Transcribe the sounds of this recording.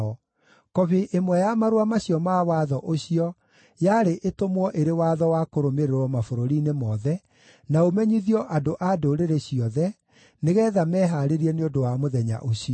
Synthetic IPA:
kɔβeʔemwɛjamaɾwamaɕiɔmawaðɔʔoɕiɔ | jaɾeʔetomwɔʔeɾewaðɔwakoɾomeɾeɾɔmafoɾoɾinemɔðɛ | naomɛɲiðiɔʔadoʔadoɾeɾeɕiɔðɛ | neɣɛːðamɛɦaɾeɾiɛneodowamoðɛɲa̰ʔoɕijɔ

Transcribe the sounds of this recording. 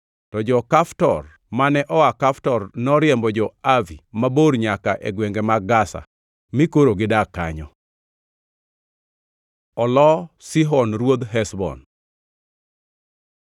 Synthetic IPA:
tɔd͡ʒɔkaftɔr | manɛʔɔakaftɔrnɔɾjɛmbɔd͡ʒɔavimaboɾɲakaʔɛ̰ɡwɛŋɡɛmaɡasa̰ | mɪkoɾoɡɪdaka̰ɲɔ | ɔlɔsiɦɔnɾwod̪ɦɛsbɔ̰n

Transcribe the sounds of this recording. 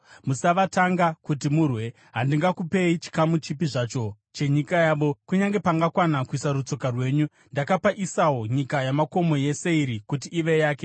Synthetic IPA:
musaʋataŋɡakut̬imurwe̞ | ɦandiŋɡakupe̞it͡ʃi̥kamut͡ʃipiʐat͡ʃo̞ | t͡ʃe̞ɲikajaːʋo̞kuɲaŋɡe̞paŋɡakwanakuisaɾut͡so̞karwe̞ːɲu | ndakapaʔisawoɲikajamako̞mo̞je̞se̞iɾikutiːʋe̞jaːke

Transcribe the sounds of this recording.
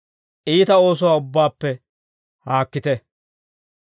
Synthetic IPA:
ʔiːt̪ɐo̞ːs̬ɔwaːʊbːaːpːɛ | haːkːɪt̪ɛ

